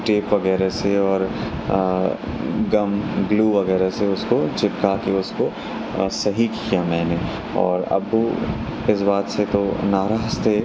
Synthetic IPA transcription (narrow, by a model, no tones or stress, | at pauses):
ʈeːpʋɐɡɛːɾeseɔːɾ | ɡɐmɡluːʋɐɣɛːɾeseʊskot͡ʃɪpkakiʊsko | sɐɦikijamɛ̃ːne | ɔ̰ːɾɐ̰b | ɪsbaːt̪set̪onaːɾaːʃt̪e